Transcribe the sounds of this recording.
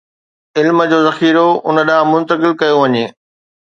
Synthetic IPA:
ɪlmə̆d͡ʑoːzɐxiːɾoʊnə̆ɗãːmʊ̃nt̪əkɪlkɐjoʋɐɲeː

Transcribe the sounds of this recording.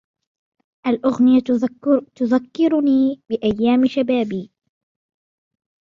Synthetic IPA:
ʔalʔʊɣnɪjat̪ʊðakːɪɾʊniːbɪʔajːaːmɪʃabaːbiː

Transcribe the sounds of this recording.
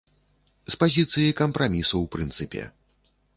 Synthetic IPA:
spazʲit̪sɨjikɐmpɾamʲisɐwpɾɨnt̪sɨpʲɛ̰

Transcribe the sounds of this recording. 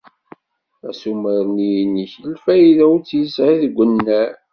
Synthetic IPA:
æsuməɾnijniçəlfæjiðæwt͡sːjəsʕiðɡʷːənːæ

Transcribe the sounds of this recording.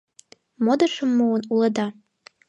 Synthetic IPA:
mod̪ə̆ʃə̆mːuənulˠə̆d̪ɑ

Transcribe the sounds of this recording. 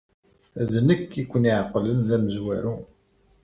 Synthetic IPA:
ðnəkːikʷːəniʕqːlənðæməzwæɾu

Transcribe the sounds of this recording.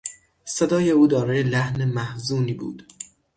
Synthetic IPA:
sed̪ɒːje̞uːd̪ɒːɾɒːjelæhnemæhzuːniːbṵːd̪̥

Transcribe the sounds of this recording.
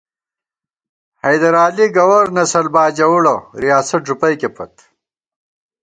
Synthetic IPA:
hɐjd̪ɐɾaːliɡɐwɐɾnɐsɐlbaːd͡ʑɐwuɽoɾijaːsɐt̚ʐupɐjkepʰɐt̪

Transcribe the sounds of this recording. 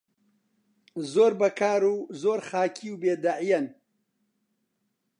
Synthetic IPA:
zoːɾbɐkaːɾuzoːɾxaːkʰiwbeːd̪aʕijɐn

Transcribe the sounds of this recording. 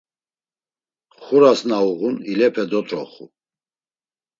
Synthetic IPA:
χuɾasnauʁunilɛpʰɛd̪ɔt̪ʼɾɔχṵ

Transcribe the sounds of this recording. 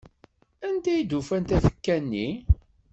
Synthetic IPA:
ænd̪æjid̪ufænt̪æθə̥kːænːi

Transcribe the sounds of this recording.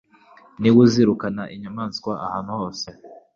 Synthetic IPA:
niwuziɾukanaʔiɲamaːnskwaʔahaːn̤uhoːse

